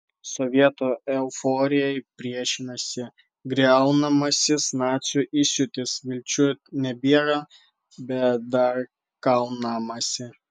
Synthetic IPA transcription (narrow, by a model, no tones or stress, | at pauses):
sɔʋʲiɛt̪oɛʊfoːɾʲɪjɛɪpʲɾʲiɛʃʲɪnɐsʲɪ | ɡɾʲɛʊnɐmɐsʲɪsnɑːt̪sʲuʔɪsʲʊt̪ʲɪsʋʲɪlʲt͡ʃʲʊnʲɛbʲiɛɾɐ | bʲɛtd̪ɐɾ | kɐʊnɐmɐsʲɪ